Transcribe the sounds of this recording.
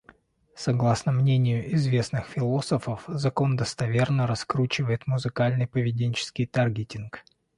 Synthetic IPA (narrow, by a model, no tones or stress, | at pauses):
sɐɡlˠasnəmnʲenʲɪjʊʔɪzvʲe̞snɨxfʲɪlˠo̞səfəfzɐko̞nd̪əst̪ɐvʲe̞rnəɾɐskɾut͡ɕɪvəjɪt̪mʊzɨkalʲnɨjpəvʲɪdʲenʲt͡ɕɪ̥skʲɪjt̪arɡʲɪtʲɪnk